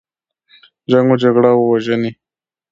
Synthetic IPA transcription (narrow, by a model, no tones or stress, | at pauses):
d͡ʒaŋɡod͡ʒaɡɽawəwaʒəni